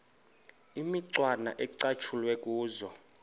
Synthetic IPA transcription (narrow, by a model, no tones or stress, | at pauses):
imiǀwana̰ʔɛǀat͡ʃʰulwɛkʼuːzɔ